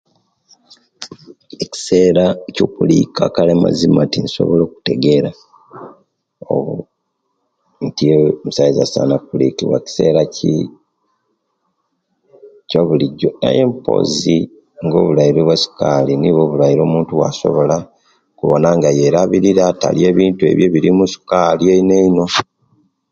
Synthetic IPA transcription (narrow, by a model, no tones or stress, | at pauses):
eci̥se̞ɾacokuliːkʰa̰kalema̰zimatiniso̞̰βolo̞ːku̥te̞ɡe̞ɾa | o̰βu | ntiemusaiza̰sa̰napulḭkiβwa̰ci̥se̞̰ːɾaci | coβuliɟːo̞na̰je̞mpo̰ːzi | ŋɡo̞ːβulaiɾoβwasu̥kaliniβo̞βulaiɾo̞ːmuːntuwa̰so̞̰βo̞la | kuβo̞naŋɡajeɾaβiɾiɾata̰lie̞ːβiːntue̞̰βjeβiɾimusu̥kalieine̞ino̞